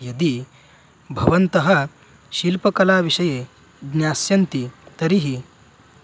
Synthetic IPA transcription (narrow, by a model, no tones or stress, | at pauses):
jɐd̪i | bʱɐʋɐnt̪ɐɦɐ | ʃilpɐkɐlaːʋiʂɐje | ɡnjaːsjɐnt̪it̪ɐɾiɦi